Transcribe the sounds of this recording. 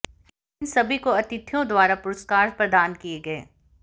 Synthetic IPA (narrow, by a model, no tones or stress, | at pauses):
ɪnsɐbʱikoɐt̪ɪt̪ʰjõd̪waːɾapʊɾəskaːɾpɾɐd̪aːnkieɡɐḛː